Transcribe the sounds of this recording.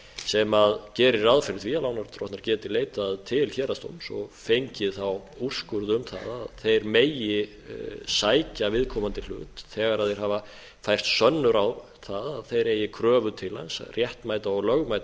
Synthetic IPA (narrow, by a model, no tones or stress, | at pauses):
sɛmaðcɛːɾɪɾaðfɪɾt̪ʰvialawnaɾt̪ʰɾɔht̪naɾcɛːt̪ɪleːjt̪aðt̪ʰɪlçɛːɾast̪o̰wmsɔ̰fejɲcɪðθaw | ur̥skʏɾðʏʏmθa̰ða̰ðθejɾmeːjɪ | saːjcavɪðkʰɔmant̪ɪl̥ʏ̰t̪θɛːɣaɾaðθejɾ̥hava | fajr̥t̪sœnːʏɾaw | θaðaðθejɾeːjɪkʰɾœːvʏt̪ʰɪla̰nsrjɛht̪maːjt̪aɔɣlœɣmajt̪